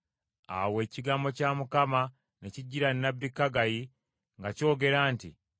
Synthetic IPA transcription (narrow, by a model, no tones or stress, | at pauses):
a̰we̞ːciɡaːmbo̞caːmukama | neciɟːiɾanːabːikːaɡaji | ŋɡaco̞ːɡe̞ɾaːntḭ